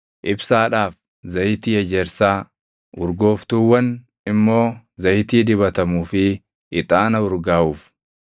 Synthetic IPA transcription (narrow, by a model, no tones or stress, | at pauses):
ʔɪbsaːᶑaːf | zɐjɪt̪iːɛd͡ʒɛɾsaː | ʊɾɡo̞ːft̪uːwːɐn | ɪmːo̞ː | zɐjɪt̪iːd̪ɪβɐt̪ɐmuːfɪ | ʔɪt̪ʼaːnɐʊɾɡaːʔuːf